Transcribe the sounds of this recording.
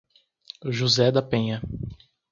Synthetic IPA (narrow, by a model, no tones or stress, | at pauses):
ʒuzɛd̪ɐpẽɲɐ